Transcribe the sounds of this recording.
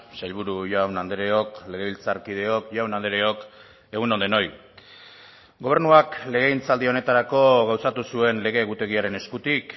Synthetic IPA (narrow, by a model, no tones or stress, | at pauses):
sajlβuɾuʝawnand̪eɾe̞o̞kle̞ɣe̞βilt͡saɾkið̞e̞o̞kʝawnand̪eɾe̞o̞k | e̞ɣunond̪eno̞j | ɡo̞β̞e̞ɾnuakle̞ɣe̞int͡sald̪io̞ne̞t̪aɾako̞ɣawsat̪usue̞nle̞ɣe̞ːɣut̪e̞ɣiaɾe̞ne̞skut̪ik